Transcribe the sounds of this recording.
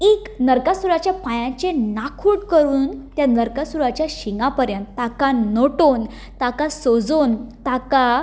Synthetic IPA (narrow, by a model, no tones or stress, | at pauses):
eknəɾkasuɾat͡ɕjapajãt͡ɕenakʰuʈkəɾuːnt̪janəɾkasuɾat͡ɕjaɕiŋɡapəɾjə̃nt̪ːakãnoʈon | t̪akasod͡zont̪aka